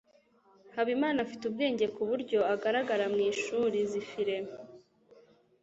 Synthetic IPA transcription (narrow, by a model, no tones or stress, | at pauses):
haβimaːnafi̥tub̚ɡe̞ːɲɟe̞kuβuɾɟo̞aɡaɾaɡaɾamŋiːʃuːɾizifiɾe̞m